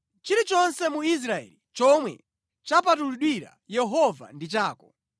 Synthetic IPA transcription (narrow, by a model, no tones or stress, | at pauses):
t͡ʃiɾit͡ʃɔnsɛmuis̬ɾaɛ̰ːlit͡ʃɔmwɛ̰ | t͡ʃapatuluɗwiɾa̰jɛɦɔva̰ndit͡ʃaːkɔ